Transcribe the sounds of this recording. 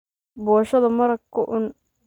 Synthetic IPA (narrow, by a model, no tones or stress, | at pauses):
bɔːʃɐðɐmɐɾɐkʰːʊʔʊn